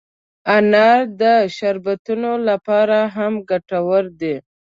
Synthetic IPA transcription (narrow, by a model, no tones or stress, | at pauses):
anɑɾd̪əʃaɾbat̪unolapɑɾaɦamɡaʈawəɾd̪e